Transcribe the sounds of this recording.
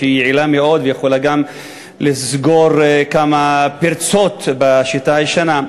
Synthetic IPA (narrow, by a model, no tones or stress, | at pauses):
eijʕilameo̞d̪vejeχolaɡam | lisɡo̞ʁkamapiɾt͡so̞t̪baʃitaiʃana